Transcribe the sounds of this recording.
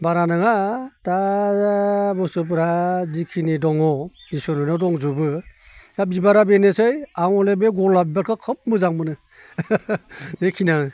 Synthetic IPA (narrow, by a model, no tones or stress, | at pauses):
baɾanɯŋata | bɔsɯp̬ɾazikʰinidɔŋɔdisɔnɔnɔdɔŋzubɯ | dabibaɾabenesɯjawŋɔlebeɡɔlabibaɾkʰɯkʰɯp̚mɯzaŋbɯnɯ | nekʰina